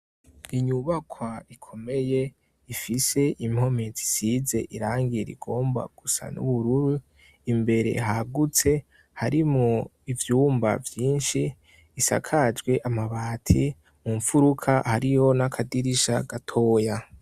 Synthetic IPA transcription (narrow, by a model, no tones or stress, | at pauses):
iɲuβakʰwaikʰo̞me̞je̞ | ifise̞ʔim̥ho̞me̞zi̥size̞ʔiɾaːŋɡiɾḭɡo̞ːmba̰ɡ̥usa̰nṵβuɾuɾu | imbe̞ɾe̞̰ɦaɡut͡se̞ | haɾimŋo̞ | ivjuːmba̰vjiːnʃiː | sa̰kʰad͡ʒɡwe̞ʔamaβaːtʰi | muɱfuɾukʰahaɾijo̞nakʰadiɾiʃaɡatʰo̞ːja